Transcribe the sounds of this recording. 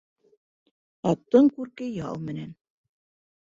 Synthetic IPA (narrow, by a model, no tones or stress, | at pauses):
ɑt̪ːɤɴkʉɾkɘjɑ̰lˠmɘ̆næn